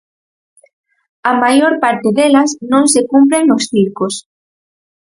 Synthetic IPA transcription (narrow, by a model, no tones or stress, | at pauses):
ɐmajoɾpaɾt̪ɪðelɐsnõŋsekumpɾeŋnosθiɾkos